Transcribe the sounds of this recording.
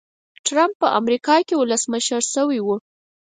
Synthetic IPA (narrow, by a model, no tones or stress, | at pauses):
ʈɾampːəʔa̰mɾikɑkewʊləsməʃəɾsəwiwu